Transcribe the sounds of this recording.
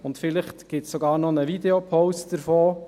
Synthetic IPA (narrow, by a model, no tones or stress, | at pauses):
ʊntfɪlɪχtɡ̥ɪtssɔɡɑːɾnɔnəvideopʰɔʊstd̥əɾfoː